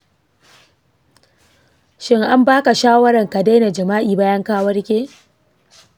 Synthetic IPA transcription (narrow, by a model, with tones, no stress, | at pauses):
ʃɪ˦ŋʔa˦mbaː˦ka˨ʃaː˦wɐ˦ɾɐ˨ŋka˨da˦jna˨d͡ʒɐ˨maː˦ʔiː˨baː˦jɐ˦ŋkaː˦wɐ˦rkʲeː˦